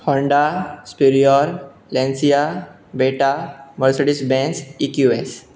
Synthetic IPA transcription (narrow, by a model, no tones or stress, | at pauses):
hɔɳɖaspiɾiɔl | lẽnsija | beʈaməɾseɽisbɛ̃nsikjues